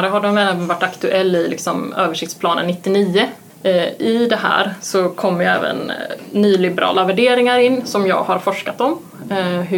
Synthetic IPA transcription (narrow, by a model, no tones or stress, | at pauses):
ɾəɦad̪ɛmɛːɛːvənvaʈːakt̪ɵʔɛlːɪlɪ̰ksɔmøːvəʂɪkt̪spʰlɑːnə̰nːɪt̪ːɪniːə | ɪd̪ɛɦæ̰ːɾsɔkʰɔmːəɾjɛ̰ːvə̰nːyːlɪbɛɾʔɑ̰ːlavæɖeːɾɪŋaɾɪnːsɔmjɑ̰ːɡhaɾfɔʂkat̪ɔm | ɦɵ